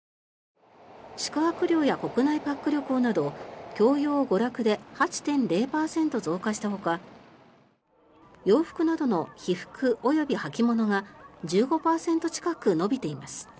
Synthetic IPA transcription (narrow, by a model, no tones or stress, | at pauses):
ɕi̥kɯ̟ɦakɯ̟ɾʲo̞ːjako̞kɯ̟naipakːɯ̟ɾʲjo̞koːnad̪o̞kʲo̞ːjo̞ːɡo̞ɾakɯ̟d̪e̞hat͡ɕi̥t̪ẽ̞nɾe̞ːpaːsẽ̞nt̪o̞zo̞ːkaɕi̥t̪aho̞ka | jo̞ːɸɯ̟̥kɯ̟nad̪o̞no̞çiɸɯ̟̥kɯ̟ʔo̞jo̞bʲihakʲimo̞no̞ŋad͡ʑɨːɡo̞paːsẽ̞nt̪o̞t͡ɕi̥kakɯ̟no̞bʲit̪e̞imasɨ̥